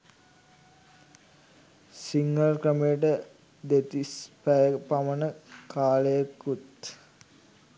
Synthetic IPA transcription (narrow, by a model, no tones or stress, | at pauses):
siŋɡəlkrəmejəʈə | d̪et̪ispæjəpamənəkʰaːləjakːut̪